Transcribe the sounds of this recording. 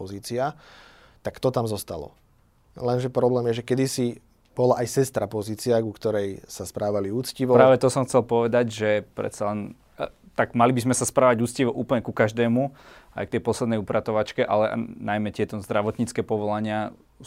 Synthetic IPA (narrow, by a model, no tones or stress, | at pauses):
ɔziːt͡sia | t̪akt̪ɔt̪amzɔst̪a̰lɔ̰ | lɛnʒɛpɾɔblɛːmjɛʒɛkɛd̪isi | b̥ɔlaʔajsɛst̪ɾapɔziːt͡siaɡukt̪ɔɾɛjsaspɾaːʋaliuːt͡sciʋɔpɾaːʋɛt̪ɔsɔmxt͡sɛlpɔʋɛd̪aɟʒɛpɾɛ̰t̪t͡salɛn | t̪aɡmalibizmɛsaspɾaːʋaɟuːt͡sciʋɔʔuːpl̩ɲɛkukaʒd̪ɛːmua̰jk̚t̪ɛjpɔslɛd̪nɛjupɾʔat̪ɔʋat͡ʃkɛʔa̰lɛʔnajmɛt̪ɪɛt̪ɔzd̪ɾaʋɔt̪ɲiːt͡skɛːpɔʋɔlaɲɪa